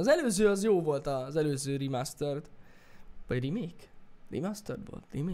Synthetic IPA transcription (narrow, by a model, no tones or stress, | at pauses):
ɒzɛløːzøːɒzjoːvo̞lt̪ɒzɛløːzøːɾimast̪ørt̪ | vɒɟrimeːkrḭmast̪ɛ̰rʋo̰lt̪rimeː